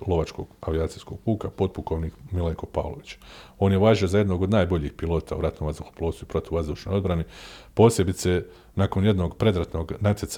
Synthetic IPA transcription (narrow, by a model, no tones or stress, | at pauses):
lˠo̞ʋat͡ʃko̞̰ɡaʋiaːt̪sijsko̞̰ɡ̥̚puːkapo̞d̪̚pukoʋnikmileŋko̞pa̰ːʋlˠo̞̰ʋit͡ɕḁo̞ːnjeʋaːʒio̞zaje̞d̪no̞ɡo̞d̪naːjbo̞ʎixpilˠo̞ːt̪auɾat̪nomʋazd̪uxu̥plˠosuipɾo̞t̪iʋuʋazd̪uːʃnojo̞d̪bɾanepo̞ːsje̞bit̪se̞ | nakonje̞d̪no̞ɡpɾe̞d̪ɾat̪no̞ɡnat̪ʲjet̪s